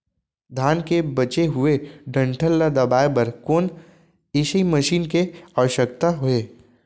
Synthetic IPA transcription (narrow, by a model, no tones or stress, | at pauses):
d̪ʱaːnkebɐt͡ʃeɦʊeɖə̃ɳʈʰəlːad̪ɐbaːepəɾkoːn | ɪʃəiməʃiːnkeaʋəʃək̚t̪aɦoeː